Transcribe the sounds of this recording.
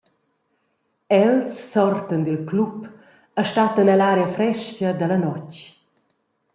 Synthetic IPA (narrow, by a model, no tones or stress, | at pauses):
ɛlsːɔrt̪ənd̪ilklup | aʃtat̪ənəlaɾeəfɾɛʃcəd̪əlɐnɔc